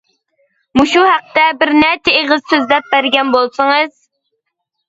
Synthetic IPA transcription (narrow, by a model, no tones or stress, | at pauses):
muʃuhæq̚t̪ɛbɪɾnɛt̪ʰeːʁɨz̥søzlɛp̚bæɾɡʲɛnbolˠsɨŋɨz̥